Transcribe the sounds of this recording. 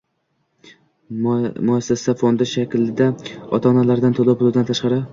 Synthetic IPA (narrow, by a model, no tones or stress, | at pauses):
mʊasːasafond̪ɪʃakʲlɪd̪aɒ̰t̪ʰaːnalaɾd̪ant̪ʰolˠɪpbʊlud̪ant̪ʰaʃqɑɾɪ